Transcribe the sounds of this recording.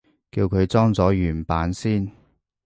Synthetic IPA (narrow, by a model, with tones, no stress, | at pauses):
kiː˧wkʰɵ˨˧ɥt͡sɔː˥ŋt͡sɔː˨˥jyː˨˩npaː˨˥nsiː˥n